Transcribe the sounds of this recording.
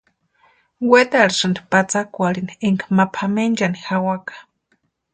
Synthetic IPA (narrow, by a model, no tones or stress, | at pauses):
wet̪aɽsɨnd̪i̥pat͡sakʷaɽinieŋkmapʰamend͡ʒanixawakḁ